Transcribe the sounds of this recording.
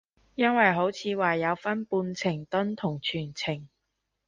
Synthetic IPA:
jɐ˥nwɐ˨jɦo˨˥wt͡sʰiː˨˧waː˨jɐ˨˧wfɐ˥npuː˧nt͡sʰɪ˨˩ŋt̪ɵ˥nt̪ʰʊ˨˩ŋt͡ʃʰyː˨˩nt͡sʰɪ˨˩ŋ

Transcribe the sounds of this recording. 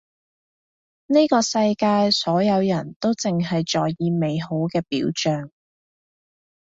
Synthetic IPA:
ne˥kɔː˧sɐ˧jkaː˧jsɔː˨˥jɐ˨˧wjɐ˨˩nt̪o˥wt͡sɪ˨˩ŋɦɐ˨jt͡ʃɔː˨˩jːiː˧me˨˧jɦo˨˥wkɛː˧piː˨˥wt͡ʃœː˨ŋ

